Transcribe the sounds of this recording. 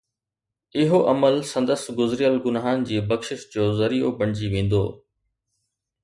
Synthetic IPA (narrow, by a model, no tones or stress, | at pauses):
ɪɦoʔɐməlsɐ̃nd̪əsɡʊzɾijəlɡʊnːɦan̆d͡ʑiːbɐkʃɪʃd͡ʑoːzɐɾijo̰bɐɽ̃d͡ʑiʋẽːn̆d̪oː